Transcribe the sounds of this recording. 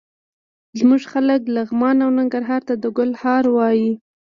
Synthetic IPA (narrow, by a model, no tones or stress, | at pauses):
zmuʐxaləklaɣmɑnawnaŋɡaɾɦɑɾt̪ad̪əɡʊlhɑɾwɑji